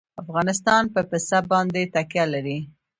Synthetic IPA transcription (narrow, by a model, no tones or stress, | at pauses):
afɣɑnɪst̪ɑnpəpɪsabɑnd̪et̪akjalaɾi